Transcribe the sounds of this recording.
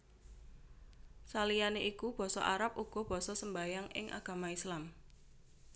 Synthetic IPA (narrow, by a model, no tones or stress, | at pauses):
salijaneʔikub̥ɔ̤sɔ̰ʔa̰ɾap̚uɡ̥ɔ̤b̥ɔ̤sɔsəmbajaŋɪ̰ŋʔa̰ɡ̥a̤maislam